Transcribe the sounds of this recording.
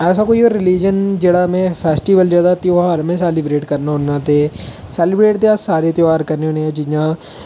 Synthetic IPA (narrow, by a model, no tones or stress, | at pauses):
ɛːs̬aːkoːioːɾːɪliːd͡ʒənd͡ʒeːɽaːmẽːpʰɛːsʈiːʋəld͡ʒjaːd̪at̪joaɾmẽːsɛːlɪbɾeːʈkəɾnaɦonãːt̪eːsɛːlɪbɾeːʈd̪eaːsaːɾeːt̪jaːɾkəɾneoːneɛ̃ːd͡ʒɪjãː